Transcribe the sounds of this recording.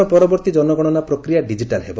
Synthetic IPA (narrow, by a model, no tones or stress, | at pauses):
ɔpɔɾɔbɔɾt̪id͡ʒɔnɔɡɔɽ̃ɔnapɾɔkɾijaɖid͡ʒiʈalɦebo